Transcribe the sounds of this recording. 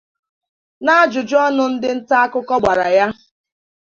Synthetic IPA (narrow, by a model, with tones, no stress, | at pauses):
na˦a˦d͡ʒʊ˨d͡ʒʊ˦ɔ˦nʊ˦n̩˦dɪ˦n̩˦ta˦a˦kʊ˦kɔ˦ɡ͡ba˨ɾa˨ja˦